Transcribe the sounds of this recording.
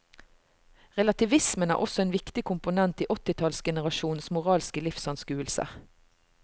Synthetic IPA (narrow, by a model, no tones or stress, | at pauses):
ʁɛlɑt̪ɪʋɪsmənæ̰ːʔɔsɔeːnʋɪkt̪ɪkʰʊmpʊnɛnt̪iːʔɔt̪ɪt̪ʰɑlsɡɛnəʁɑʃuːn̩smʊʁɑːlskəlɪfsɑnskʉːəlsə̰